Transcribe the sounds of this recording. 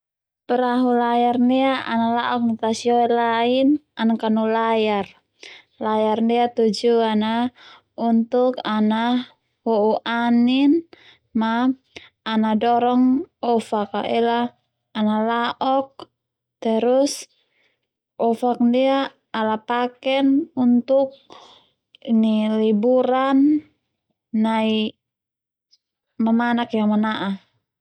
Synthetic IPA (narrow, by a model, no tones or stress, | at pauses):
pɛɾaɦulajarniaa̰nalaʔɔk̚nit̪asiɔɛlainanakanulajar | lajarndiat̪ud͡ʒuana | unt̪ukana | wɔuʔanin | maː | nadɔɾɔŋɔfaka̰ɛlaː | nalaʔɔk̚ | t̪ɛɾus | ɔfak̚diaː | lapakɛnunt̪uk̚ | inilibuɾan | ai | mamanakjaŋmanaʔa